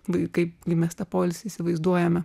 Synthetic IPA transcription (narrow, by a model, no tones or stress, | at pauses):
ʋɐkɐɪpɡɐɪmʲɛst̪ɐpoːlʲɪsʲisʲɪʋɐɪzd̪uɔjɛmʲɛ